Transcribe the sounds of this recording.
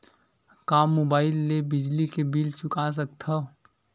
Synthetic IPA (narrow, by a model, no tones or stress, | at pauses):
kaːmːobaːɪlːebɪd͡ʒlikebilt͡ʃʊkas̬əkt̪ʰa